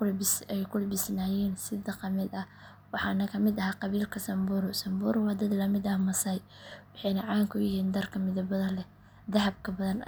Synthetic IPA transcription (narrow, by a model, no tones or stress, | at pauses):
ɛjkʰʊlbɪsnaːjɛːnsɪðɐqɐmɪd̪ɐ | wɑħɑ̰ːnɐkʰɐmɪd̪ɐɦaːqɑβiːlkʰɐsɐmbʊɾʊsɐmbuːɾʊwɑːd̪ɐd̪lɐmɪd̪ɐhmɐsɐj | wɑħɑjnɐʕɑːŋkʰʊjɪhiːnd̪ɐrkʰɐmɪðɐbɐðɐlɛ | d̪ɐɦɐb̚kʰɐbɐðɐn